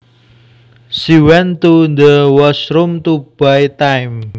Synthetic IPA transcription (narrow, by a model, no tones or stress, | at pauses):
siwɛnt̪und̪əwɔsɾʊmt̪ub̥a̤it̪ajm